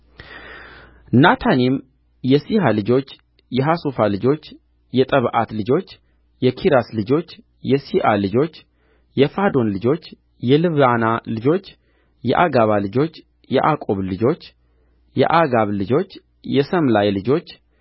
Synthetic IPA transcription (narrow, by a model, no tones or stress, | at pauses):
nat̪ʰanim | jɛsihalɨd͡ʒo̞t͡ʃː | jɛɦasufalɨd͡ʒo̞t͡ʃː | jɛt̪ʼəβʔa̰t̪lɨd͡ʒo̞t͡ʃː | jɛkʰiɾaslɨd͡ʒo̞t͡ʃː | jɛsiʔalɨd͡ʒo̞t͡ʃː | jɛfad̪o̞nlɨd͡ʒo̞t͡ʃː | jɛlɨβanalɨd͡ʒo̞t͡ʃː | jɛ̰ʔaɡaβalɨd͡ʒo̞t͡ʃː | jɛ̰ʔakʼo̞βlɨd͡ʒo̞t͡ʃː | jɛ̰ʔaɡaβlɨd͡ʒo̞t͡ʃː | jɛsəmlajlɨd͡ʒo̞t͡ʃː